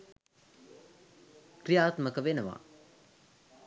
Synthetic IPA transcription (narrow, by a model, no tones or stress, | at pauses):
krijaːt̪məkəʋenəʋa̰